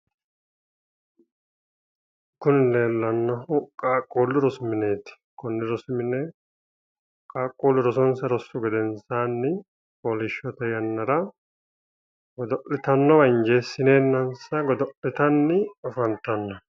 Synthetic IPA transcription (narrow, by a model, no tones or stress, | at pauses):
kʊnɪle̞ːlːɐnːɐhʊkʼaːkʼːoːlːʊɾɔsʊmɪne̞ːt̪ɪ̥kʊnːɪɾɔsʊmɪnɛ | kʼaːkʼːoːlːʊɾɔs̬ɔnsɐɾɔsːʊɡɛd̪ɛnsaːnːɪ | koːlɪʃːɔt̪ɛjɐnːɐɾɐ | ɡɔd̪ɔʔɪt̪ɐnːɔwɐɪnd͡ʒeːsːɪne̞ːnːɐnsɐɡɔd̪ɔʔɪt̪ɐnːɪɔfɐnt̪ːɐnːɐ